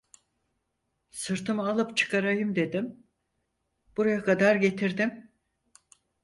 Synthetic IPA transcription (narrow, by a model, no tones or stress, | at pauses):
sɯɾt̪ʰɯmalˠɯpt͡ʃʰɯ̥kʰaɾajɯmd̪e̞d̪im | b̥uɾajakʰad̪aɾɟe̞t̪ʰiɾd̪im